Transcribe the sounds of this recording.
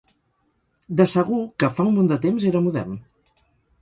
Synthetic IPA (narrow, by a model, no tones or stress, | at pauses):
d̪əsəɣukəfaumõnd̪ət̪emzeɾəmuðɛ̰rn